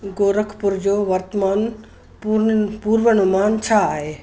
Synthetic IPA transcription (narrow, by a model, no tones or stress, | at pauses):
ɡoːɾəkʰpʊɾd͡ʑoːʋɐɾt̪əmaːn | pupuːɾʋəɽ̃ʊmaːnt͡ɕʰaːɦeː